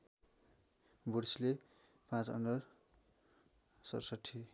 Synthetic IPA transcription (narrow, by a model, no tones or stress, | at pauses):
bʱuɽsile | pãt͡sʌ̰nɖʌr | sʌ̰ɾsʌʈʰːi